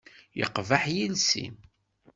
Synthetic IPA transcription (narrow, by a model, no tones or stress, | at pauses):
jə̰qːvaħjilsḭm